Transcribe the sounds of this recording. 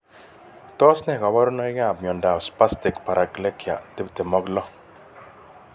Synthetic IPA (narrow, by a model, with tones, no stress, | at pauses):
tɔ˦snɛ˦˨ka˨wa˦ɾu˦nɔ˦i˦kɛ˦a˨bɲɔ˨nda˨spa˦stɪ˨kpa˨ɾa˨kle˦kja̰˨tɪ˦bte˨mɔ˦ɡlɔ˦